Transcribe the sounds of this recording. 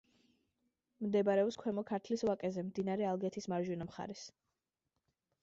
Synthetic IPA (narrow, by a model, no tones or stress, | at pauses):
md̪ɛbaɾɛɔpskʰwɛmɔkʰaɾt̪ʰlisvˠakʼɛzɛmd̪inaɾɛalˠɡɛt̪ʰismaɾʒinamχa̰ɾɛs